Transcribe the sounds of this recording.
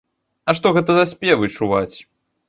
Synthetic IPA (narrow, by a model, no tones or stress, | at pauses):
ɐʂt̪ɔɣɛt̪ɐzɐsʲpʲɛvɨt͡ʂuvat͡sʲ